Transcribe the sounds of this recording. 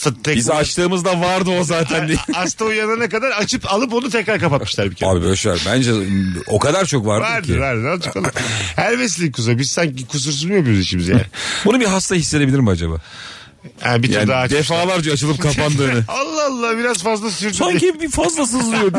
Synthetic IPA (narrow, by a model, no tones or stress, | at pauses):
t̪at̪ʰɛizat͡ʃt̪ʰɯːmɯzd̪avaɾd̪ɯozaːt̪ʰænd̪ast̪ʰaujananɛkad̪aɾat͡ʃʰɯpalˠɯp̬o̞nut̪ʰɛcɾaɾkapat̪̚mɯʃlʲˠaɾbicʰea̰ːbibøjlʲeʃa̰ɾbænd͡ʒɛo̞kad̪aɾt͡ʃʰo̞kvaɾdaɾd̪ɯvaɾd̪ɯd̪at͡ʃʰo̥kalˠɯmhæɾvɛs̬lʲikʰuzabizsaɲcikʰus̬uɾs̬yzmijapjziʃimizjæ̰nibunubiɦast̪ahisːe̞d̪e̞bilʲiɾimad͡ʒaba̰ː | ɛbit̪aand̪aːaːt͡ʃd̪efaːlˠaɾd͡ʒaːt͡ʃʰɯlˠɯpkʰapand̪ɯːnɯalˠːaalˠːabiɾazfazlˠasyɾd̪aɲebibifazlˠas̬ɯzlijo